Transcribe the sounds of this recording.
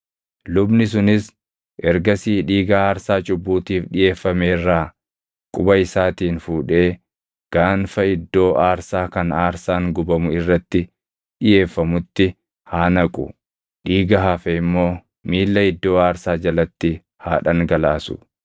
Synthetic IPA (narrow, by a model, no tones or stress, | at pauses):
lʊbnɪs̬ʊnɪs | ʔɛɾɡɐsiːᶑiːɡɐaːɾsaːt͡ʃʼʊbːuːt̪iːfɗɪje̞ːfːɐmeːrːaː | kʼʊbɐɪsaːt̪iːnfuːᶑe̞ː | ɡ̥aːnfɐɪd̪ːo̞ːʔaːɾsaːkɐnaːɾsaːŋɡʊbɐmʊɪrːɐt̪ːɪ | ᶑɪje̞ːfːɐmʊt̪ːɪ | haːnɐkʼʊ̰ | ᶑiːɡɐɦafɛɪmːo̞ː | miːlːɐɪd̪ːo̞ːaːɾsaːd͡ʒɐlɐt̪ːɪ | haːᶑɐŋɡɐlaːsʊ̥̰